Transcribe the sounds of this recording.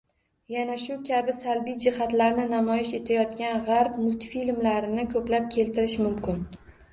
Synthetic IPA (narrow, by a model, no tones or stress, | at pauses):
janaʃʊkʲʰabɪsalbijd͡ʒɪhat̪laɾnɪnamɒjɪʃe̞t̪ʰajɒt̪kʲanʁaɾpmʊlt̪filmlaɾɪnɪkʰɵplap̚kʲʰe̞lt̪ʰɪɾɪʃmʊmkʲɪn